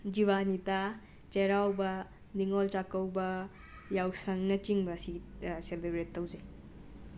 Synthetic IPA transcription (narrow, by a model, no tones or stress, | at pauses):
d͡ʒiβanita | t͡ʃeɾawbɐ | niŋɔlt͡ʃakɐwbɐ | jawsɐŋnɐt͡ʃiŋbɐsiselebɾetʰːɐwze